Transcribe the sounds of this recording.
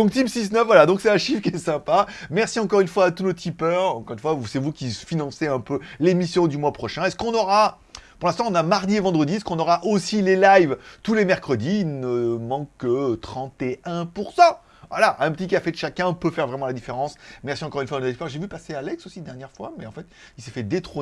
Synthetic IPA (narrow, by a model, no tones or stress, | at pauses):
d̪ɔ̃k̚t̪imsisnœfvwalad̪ɔ̃ksɛt̪ɛ̃ʃifkʲiɛsɛ̃pamɛʁsiɑ̃kɔʁynfwaːt̪unot̪ʰipœʁɑ̃kɔʁynfwausɛvukʲifinɑ̃seɛ̃pølemisjɔ̃d̪ymwapχɔʃɛ̃ɛskɔ̃nɔʁa | puʁlɛ̃st̪ɑ̃ɔ̃namaʁd̪ievɑ̃d̪ʁəd̪iɛskɔ̃nɔʁaʔosilelajvt̪ulemɛʁkχəd̪iilnəmɑ̃kːət̪χɑ̃t̪eɛ̃puʁsɑ̃ | vwalaʔɛ̃pət̪ikafed̪əʃakʲɛ̃pøfɛʁvʁɛmɑ̃lad̪ifeʁɑ̃smɛʁsiɑ̃kɔʁynfwanot̪ipœʁʒevypasealɛksosid̪ɛʁnjɛʁfwamɛɑ̃fɛt̪ | ilsefɛd̪et̪χo